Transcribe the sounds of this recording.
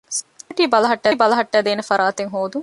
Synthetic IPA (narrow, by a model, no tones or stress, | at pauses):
sʈiːbɐlɐɦɐʈːæːbɐlɐɦɐʈːæːd̪eːnefɐɾaːt̪eŋɦoːd̪uŋ